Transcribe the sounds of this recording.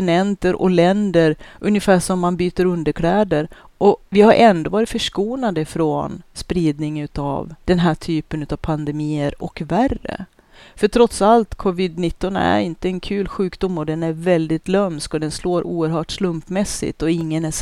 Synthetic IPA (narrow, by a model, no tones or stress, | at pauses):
ɪnɛnt̪əɾʔɔ̰lɛnd̪əɾʔɵnjəfæːʂɔmːanbyːt̪əɾɵnd̪əɾkʰlɛːd̪əɾ | ʔɔvɪhaɾʔɛnd̪ɔvɑːɾɪt̪fœʂkuːnad̪əfɾɔnspɾiːd̪nɪŋʉ̟t̪a̰vd̪̥ɛnɦæːʈʰyːpənʉ̟t̪avpʰand̪ɛmiːəɾʔɔ̰kværə̰ | fœʈʰɾɔt̪salt̪kʰɔvɪd̪nɪt̪ːɔnæ̰ɾɪnt̪əɛnkʰʉ̟ːlɧʉ̟ːkd̪ʊmːɔd̪ɛnæɾvɛld̪ɪt̪lœmskɔd̪ɛnsloːɾʔuːəɾɦœːʈslɵmpmɛsːɪ̰t̪ɔɪŋːənæ